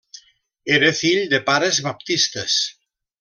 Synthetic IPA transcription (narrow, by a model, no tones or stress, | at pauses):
eɾeθiʎd̪epaɾezβap̚t̪ist̪es